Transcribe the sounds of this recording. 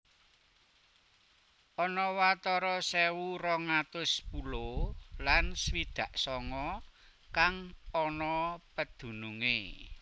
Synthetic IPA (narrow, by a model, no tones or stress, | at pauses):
ʔɔnɔwat̪ɔɾɔsɛwuɾɔŋat̪ʊspulolanswid̪̥a̤ʔsɔŋɔkaŋɔnɔpəd̪̥ṳnuŋḛ